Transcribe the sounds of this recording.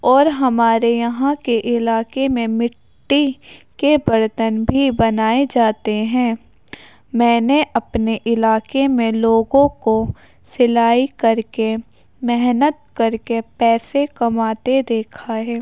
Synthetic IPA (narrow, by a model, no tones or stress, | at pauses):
ɔːɾɦɐmaːɾejɐɦãkeʔɪlaːkemẽmɪʈːikebɐɾt̪ənbʱibɐnaːed͡ʒaːt̪eɦɛ̃ː | mɛ̃ːneʔɐpneʔɪlaːkemẽloːɡõko | sɪlaːikɐɾke | mɛɦnət̪̚kɐɾkepɛːsekɐmaːt̪ed̪eːkʰaɦɛː